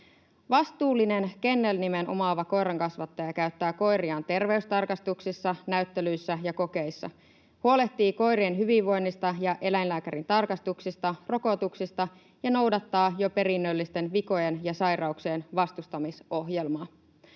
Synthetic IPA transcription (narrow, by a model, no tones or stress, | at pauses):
ʋɑst̪uːlːine̞nke̞nːelnime̞nʔo̰mɑʋɑko̞jɾɑŋkɑsʋɑt̪ːɑjɑkæyt̪ːæːko̞jriɑːnt̪e̞rʋe̞yst̪ɑrkɑst̪uksisːɑnæyt̪ːe̞lyjsːæjɑko̞ke̞isːɑ̰ | huole̞ht̪iːko̞jɾienɦyʋiʋːo̞jnːist̪ɑjɑʔe̞læjnlæːkæɾint̪ɑrkɑst̪uksist̪ɑro̞ko̞t̪uksist̪ɑ | jɑno̞wdɑt̪ːɑːjo̞pe̞ɾinːølːist̪e̞nʋiko̞jenjɑsɑjrɑukseːnʋɑst̪ust̪ɑmiso̞ɦje̞lmɑː